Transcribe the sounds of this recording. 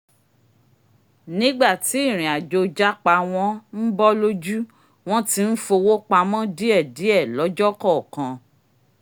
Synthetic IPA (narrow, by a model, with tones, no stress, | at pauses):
nĩ˦ɡ͡ba˦˨ti˨˦i˦˨ɾ̃ĩ˨a˨d͡ʒo˨˧d͡ʒa˦k͡pa˧w̃ɔ̃˧˦n̩˦bɔ˦lo˦d͡ʒu˦ | w̃ɔ̃˦ti˦n̩˦fo˧wo˦k͡pa˧mɔ̃˦di˦ɛ˦˨di˨˦ɛ˦˨lɔ˨˦d͡ʒɔ˦kɔ˦˨kã˧